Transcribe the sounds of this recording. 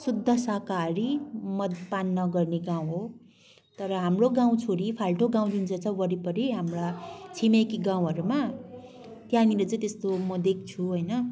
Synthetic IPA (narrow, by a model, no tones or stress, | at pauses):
sud̪ʱːʌsakaɾimʌd̪panːʌɡʌrneɡãw̃ɦo | t̪ʌɾʌɦamroɡãw̃t͡sʰoɾipʰalʈoɡãw̃d͡zunt͡sʌt͡sʌwʌɾipʌɾiɦamrat͡sʰimekiɡãw̃ɦʌɾuma | t̪janilet͡sʌ̃ĩt̪est̪omʌd̪ek̚ʰt͡sʰuɦojnʌ